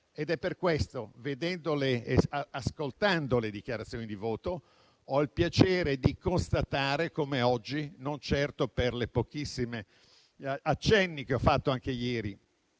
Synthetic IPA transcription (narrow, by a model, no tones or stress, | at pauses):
ed̪ɛpːerkwest̪oved̪ɛnd̪oleaskolt̪and̪oled̪ik̟jaɾat̪sjoːnid̪ivoːt̪o | ɔilpjat͡ʃeːɾed̪ikonst̪at̪aːɾekomeɔd͡ʒːinont͡ʃɛrt̪operlepokisːime | at͡ʃːɛnːik̟eɔfːat̪ːoaŋk̟ejɛːɾi